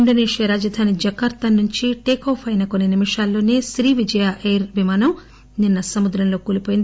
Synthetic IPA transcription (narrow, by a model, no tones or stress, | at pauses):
iɳɖoneːʂjɐɾaːd͡ʒɐd̪ʱaːnid͡ʒɐkaːɾt̪ɐnːuɲt͡ʃiʈeːkoːpʰɐjnɐkonːinimiʂaːlːo̞ːne̞ːsɾiːʋid͡ʒɐjaːʔeːɾʋimaːnɐm | ninːɐsɐmud̪ɾɐmlo̞ːkuːlipoːjind̪